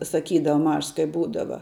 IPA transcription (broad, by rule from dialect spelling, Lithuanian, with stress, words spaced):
sɐˈkʲiːdɐʋɐ ˈmɐʃs kɐɪ ˈbuːdɐʋɐ